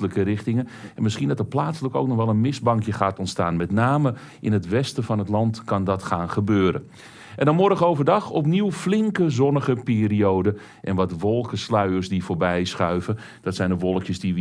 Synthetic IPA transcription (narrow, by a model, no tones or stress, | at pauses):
ləkəɾɪxtɪŋənɛnmɪsχiəndɑtəplaːtsələkoːwknɔχʋɛlˠənmɪzbɑŋkjəχaːtɔntstaːnmɛtnaːmə | ʔɪnətʋɛstəfɑnɦətlɑntkɑndɑtxaːnχəbøːɾə̰ | ʔɛndɔnmɔrdəɣowvədɑxɔpniwflɪŋkəzɔnəχəpɪːriowdə | ʔɛnʋɑtʋɔlˠkəslœɥərsdifoːɹbɛjsχœɥvə | d̥ɔtsɛjndəʋɔlˠəkjəsdi